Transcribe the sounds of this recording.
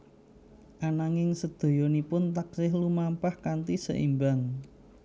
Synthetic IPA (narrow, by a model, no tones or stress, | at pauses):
ʔanaŋɪŋsəd̪̥o̤jɔnipʊnt̪ak̚sɪhlumampahkant̪isə̰ʔḭmbaŋ